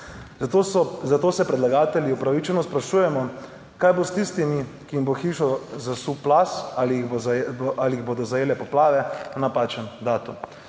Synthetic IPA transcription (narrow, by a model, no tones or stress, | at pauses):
t̪ozat̪oːsɛpɾɛd̪laɡaːt̪ɛljiupɾaʋit͡ʃɛnɔspɾaʃuːjɛmɔ | kaːjbost̪ist̪imikimboxiʃɔzasuplasalibozʔaliiɣboːd̪ɔzajeːlɛpɔplaːʋɛnapaːt͡ʃənd̪aːt̪um